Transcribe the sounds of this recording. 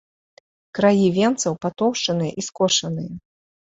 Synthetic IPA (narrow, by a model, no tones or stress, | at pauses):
kɾajivʲɛnt̪sɐwpat̪ɔwʂt͡ʂɐnɨjɐʔiskɔʂɐnɨjɐ